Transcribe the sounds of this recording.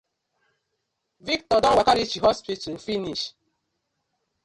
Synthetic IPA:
viktɔdɔwakaɾit͡ʃiɦɔspit̩finiʃ

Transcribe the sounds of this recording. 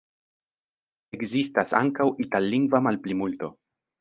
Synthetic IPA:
e̞kzistasa̰ŋkawʔitalːiŋɡvamalplimulto̞

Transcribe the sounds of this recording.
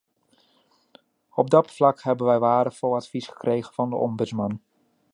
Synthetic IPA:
ɔb̚dɑtflɑkɦɛbənʋɛjʋaːɾəχfɔlˠɑtfisχə̥krejχənvɑndəʔɔmbɵtsmɑn

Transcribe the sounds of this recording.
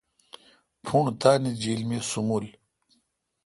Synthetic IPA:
pʰuɳt̪aːnid͡ʑiːlmesumul

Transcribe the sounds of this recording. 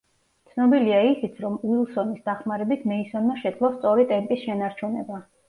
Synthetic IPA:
t̪sʰnɔbiliaisit̪sʰɾɔmuilˠsɔnisd̪aχmaɾɛbit̪ʰmɛisɔnmaʃɛd̪zlˠɔst̪sʼɔɾit̪ʼɛmpʼisʃɛnaɾt͡ʃʰunɛba

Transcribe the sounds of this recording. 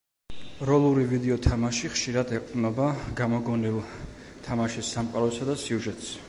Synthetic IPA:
ɾɔlˠuɾivid̪ɛɔt̪ʰamaʃiχʃiɾad̪ɛq̪ʼnɔbaɡamɔɡɔnilˠ | t̪ʰamaʃisːamqʼaɾɔsad̪asiuʒɛt̪ʼs

